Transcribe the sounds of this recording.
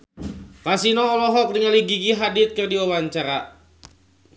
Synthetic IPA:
kasinɔːlɔɦɔkɾiŋaliɡikiɦadɪt̪̚kərdiɔwaɲt͡ʃaɾa

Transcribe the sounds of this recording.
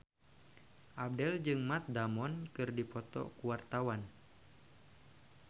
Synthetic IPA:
ʔab̚dɛld͡ʒɨŋmat̪̚damɔnkɨrdipɔt̪ɔ̰kuwart̪awan

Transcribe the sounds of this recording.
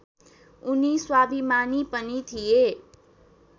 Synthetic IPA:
uniswabʱimanipənit̪ʰije

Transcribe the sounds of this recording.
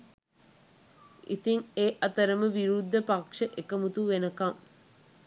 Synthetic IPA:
ʔḭt̪iŋeːʔɐt̪əɾəməʋiɾud̪ʱːəpakʂəʔekəmut̪uʋenəkaŋ

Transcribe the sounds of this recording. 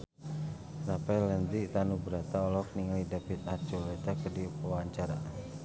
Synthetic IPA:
sapɛlɛnd̪it̪anubəɾat̪aɔlɔk̚niŋalidafit̪̚art͡ʃulɛt̪akədiaaɲt͡ʃaɾa

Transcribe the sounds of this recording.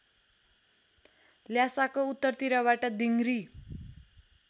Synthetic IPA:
ljasakout̪ːʌrt̪iɾaβaʈʌd̪iŋɾi

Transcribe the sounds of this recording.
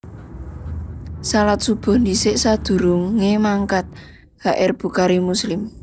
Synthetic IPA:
salat̪̚sub̥ɔ̤hnisɪʔsad̪̥ṳɾuŋemaŋkat̪̚ | ɡ̥aʔɪrb̥ṳkaɾimuslɪm

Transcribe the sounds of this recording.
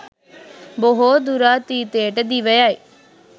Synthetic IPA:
boɦod̪uɾaːt̪iːt̪eːʈd̪iːʋəjaːiː

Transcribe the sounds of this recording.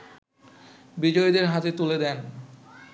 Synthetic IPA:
bid͡ʑojd̪eɾɦat̪et̪uled̪ɛn

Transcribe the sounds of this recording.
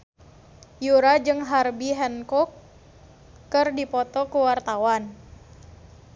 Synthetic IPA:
juɾad͡ʒɨŋɦarbiɦɛnkɔk | ɨrdipɔt̪ɔkuwart̪awan

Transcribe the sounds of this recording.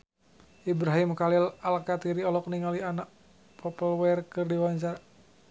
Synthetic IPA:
ʔibɾaɦimkalilalkat̪iɾiɔlɔk̚niŋalianaʔ | pʰɔpəlwɛrkɨrdiwaɲt͡ʃar

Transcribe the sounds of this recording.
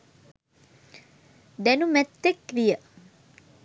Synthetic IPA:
d̪ænumæt̪ːekʋijə

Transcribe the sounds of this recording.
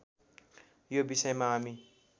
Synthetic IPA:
jobisʌjmaami

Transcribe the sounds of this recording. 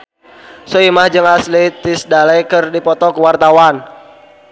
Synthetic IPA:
sɔimahd͡ʒɨŋaslit̪isdalɛkɨrdipɔt̪ɔkəwart̪awan

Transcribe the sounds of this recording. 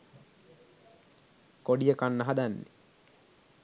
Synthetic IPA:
koɖijəkanːaɦad̪anːḛ

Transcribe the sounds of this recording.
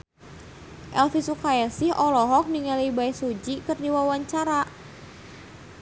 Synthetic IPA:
ʔɛlfisukajɛsɪhʔɔlɔɦɔk̚niŋalibaɛsud͡ʒikɨrdiwawaɲt͡ʃaɾa

